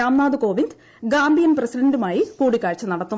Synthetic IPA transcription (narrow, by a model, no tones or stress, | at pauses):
aːmnaːd̪ɨko̞ːʋind̪ | ɡaːmbijɐnprɐsidɐndumaːjikuːɽikːaːɻt͡ɕːɐnɐɽɐt̪ːu